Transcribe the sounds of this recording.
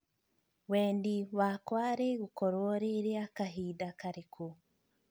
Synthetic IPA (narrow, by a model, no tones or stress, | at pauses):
weːndiwaːkwaːɾeɣukoɾoɾeːɾiakaɦiːdakaɾikʰu